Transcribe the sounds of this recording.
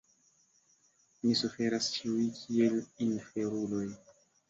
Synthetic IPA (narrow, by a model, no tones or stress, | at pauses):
misufe̞ɾast͡ʃiujkʰie̞linfe̞ɾulo̞j